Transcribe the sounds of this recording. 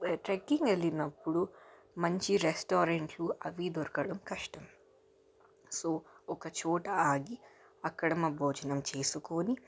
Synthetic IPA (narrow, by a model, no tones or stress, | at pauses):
ʈɾekːiŋɡelːinɐpːuɽu | mɐɲt͡ʃiɾesʈoːɾeɳʈluʔɐʋid̪oɾkɐɽɐmkɐʂʈɐm | soːɔkɐt͡ʃɔːʈɐaːɡi | ɐkːɐɽɐmɐbʱoːd͡ʒɐnɐmt͡ʃe̞ːsukoːni